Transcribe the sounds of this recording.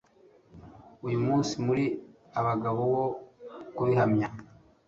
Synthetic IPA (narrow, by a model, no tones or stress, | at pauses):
ujumuːnsimuɾi | aβaɡaβoβo̞kuβihamɲa